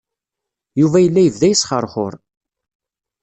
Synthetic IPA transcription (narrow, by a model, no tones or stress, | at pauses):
juvæjəlːæjəvðæjəsχəɾˤχʊ̰ɾˤ